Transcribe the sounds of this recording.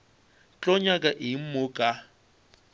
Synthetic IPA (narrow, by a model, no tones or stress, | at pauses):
t͡ɬʼɔɲakʼaʔim̩mʊːkʼa